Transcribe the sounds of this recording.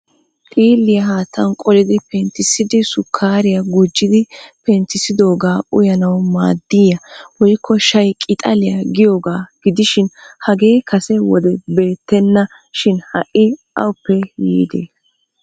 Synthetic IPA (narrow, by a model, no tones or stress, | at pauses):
tʼiːlːɪjɐɦaːt̪ʰːɐnkʼɔlɪd̪ɪpɛnt̪ːɪsɪd̪ɪsʊkʰːaːɾɪjɐɡʊd͡ʒːɪd̪ɪpɛnt̪ɪsɪd̪o̞ːɡaːʔʊjɐnɐwma̰ːd̪ːiːjɐwɔjkʰːɔʃɐjkʼɪt̪ʼɐlɪjɐɡɪjo̞ːɡaːɡ̥ɪd̪ɪʃɪnhɐɡe̞ːkɐsɛwɔ̰d̪ɛbe̞ːt̪ːɛnːɐ | ʃɪnhɐ̰ʔːɪʔɐ̰wʊpːɛjḭːd̪ḛː